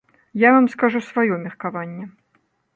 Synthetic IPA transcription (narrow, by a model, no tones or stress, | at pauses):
javamskaʐusvajɔmʲɛrkavanʲːɛ